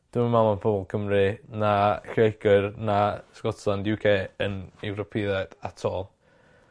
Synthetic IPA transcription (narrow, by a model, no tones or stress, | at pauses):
d̥ɪmamalˠanpʰɔːbɔlˠkʰəmrɨnaɬejɡɨrnaskɔtʰlˠandjukʰeːənɛwɾɔpʰɪðɛd̥atʰɔːlˠ